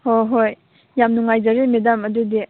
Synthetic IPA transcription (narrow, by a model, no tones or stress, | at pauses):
hojɦoj | jamnuŋajzaɾemidamɐdudi